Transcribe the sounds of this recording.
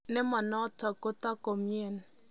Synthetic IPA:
ne˦mɔ˨nɔ˦tɔ˨ko˦tɔ˦ko˨mje˦˨n

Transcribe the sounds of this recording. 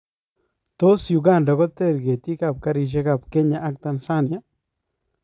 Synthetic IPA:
t̪o˦sju˨ɡa˦˨nɖa˨ko˦t̪e˦˨ɾɡe˨t̪i˦ka˦˨p̚ka˦ɾi˧ʃ̬e˦ka˨pke˦ɲa˨ʔa˦k̚t̪a˧˨nsa˦nja˦

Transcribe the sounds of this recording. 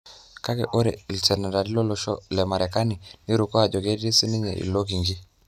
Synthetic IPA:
ka˦kɛ˨ʔo˦ɾɛ˨i˨ltɛ˨na˨ɾa˨ɾi˦lɔ˦lɔ˦ʃɔ̰˦lɛ˨ma˨ɾɛ˨ka˦ni˨ni˦ɾu˨kɔ˦a˨d͡ʒɔ˨ɡe˦di˦si˦ni˦ɲɛ̰˨ʔḭ˨lo˦k̬i˨ŋɡi˦

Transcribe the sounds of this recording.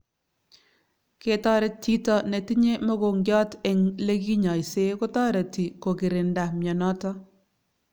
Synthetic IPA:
ke˦tɔ˦ɾɛ˦tʰːi˦tɔ˦ne˨ti˦ɲe˦mɔ˦ɡo˨ŋɡɔ˦tɪ˨ŋle˦ɡi˦ɲa˨jse˦kʊ˦tɔ˦ɾe˨ti˨ko˨ɡɪ˨ɾɪ˨nda˨mjɔ˨nɔ˦tɔ˦

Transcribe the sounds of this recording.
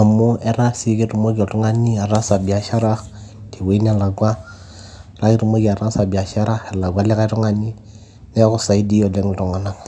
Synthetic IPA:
a˨mu˦e˦ɾa˦si˦ke˦ɾu˨mo˦ɡi˨o˨tu˦ŋa˦ni˦a˨ɾa˦sa˨bi˨a˦ʃa˦ɾa˦ti˨we˨˦i˦n˦a˦˨la˨ɡwa˦˨ | la˦ɡi˦ɾu˨mo˦ɡi˨a˨ɾa˦sa˨bi˨a˨ʃa˦ɾa˦e˨la˨ɡa˦le˦ka˦ɾu˦ŋa˦ni˦ | ne˦ko˦sa˨i˦di˦o˨le˦ŋ˨ɾu˨ŋa˨na˨

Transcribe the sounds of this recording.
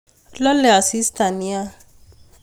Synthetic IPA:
lɔ˦le˨a˨si˦st̪a˨ni˦a˦

